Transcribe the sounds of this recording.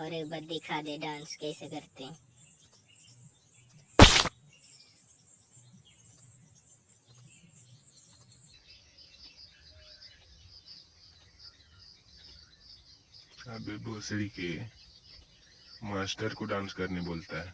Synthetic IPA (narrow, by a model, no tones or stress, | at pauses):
ɔːɾebɐd̪ekʰaːd̪eɖãːnskɛːsekɐɾt̪eɛ̃ | ɐbeboːsike | maːsʈəɾkoɖãːnskɐɾneboːlt̪aɦɛː